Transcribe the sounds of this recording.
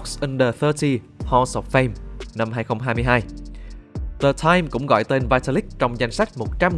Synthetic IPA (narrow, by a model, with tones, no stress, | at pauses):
k̚sʔə˧nɗə˨˩θəː˧t̪ʰi˧ | hɔ˧sɔ˨˩p̚fɛ˧mna˧mhaː˧jxə˧wŋ͡mɦaː˧jmɨ˧əjɦaː˧j | ðə˨˩t̪ʰaː˧jmkʊ̰˧˥ŋ͡mɣɔ̰˧˨jt̪e˧nvaː˧jt̪ə˧li˦˥k̚t͡ɕɔ˧wŋ͡mza˧jŋ̟sa˦˥jk̟̚mo˨˩t̚t͡ɕa˧m